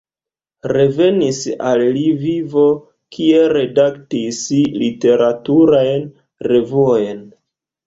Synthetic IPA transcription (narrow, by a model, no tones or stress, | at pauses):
ɾe̞ve̞nisalːivivo̞ | kʰieɾe̞daktisilite̞ɾʔatuɾajn | re̞vuojn